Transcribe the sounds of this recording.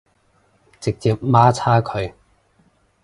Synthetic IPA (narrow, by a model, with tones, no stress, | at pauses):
t͡sɪ˨k̚t͡siː˨p̚maː˥t͡sʰaː˥kʰɵ˨˧ɥ